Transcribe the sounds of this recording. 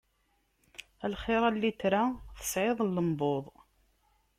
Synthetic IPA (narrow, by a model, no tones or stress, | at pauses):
ælχɪɾˤalːit̪ɾaθə̥sʕɪðˤlːəmboðˤ